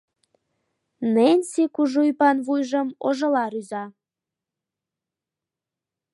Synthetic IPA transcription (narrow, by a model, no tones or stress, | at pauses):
nenʲsikuʒujpɑnvujʒə̆moʒɤ̆lɑɾyzɑ